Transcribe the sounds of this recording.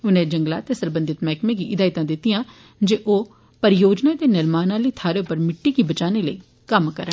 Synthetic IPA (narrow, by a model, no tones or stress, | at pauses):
ʊnẽːd͡ʒəŋɡla̰ːt̪eːsəɾbə̃nd̪ɪt̪mɛːkmẽːɡiːʔɪd̪aːɪt̪ãːd̪ɪt̪ːɪjãː | d͡ʒeːʔoː | pəɾɪjoːd͡ʒnãːt̪eːnɪɾmaːnãːləiːt̪ʰaːɾeːʊpːəɾmɪʈːiːkibət͡ʃaːneːləiː | kəmkəɾə